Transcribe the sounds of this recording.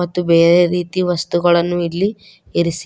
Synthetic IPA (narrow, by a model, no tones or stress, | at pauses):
ɐt̪ːube̞ːɾe̞ɾiːt̪iʋɐst̪uɡɐɭɐnːuilːi | eɾis